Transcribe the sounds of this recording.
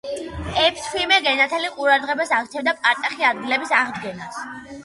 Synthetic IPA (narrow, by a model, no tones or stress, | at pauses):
ɛpʰskʰwimɛɡɛnat̪ʰɛliqʼuɾad̪ʁɛbasaʁtt͡ʃ̪t͡ʃʰɛvd̪apʼaɾt̪ʼaχiad̪ɡilɛbisaʁd̪ɡɛnas